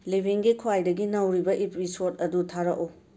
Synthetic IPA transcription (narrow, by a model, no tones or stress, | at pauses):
libʱiŋɡikʰuajdɐɡinɐwɾibɐʔipɾisoɾtɐdutʰaɾɐʔo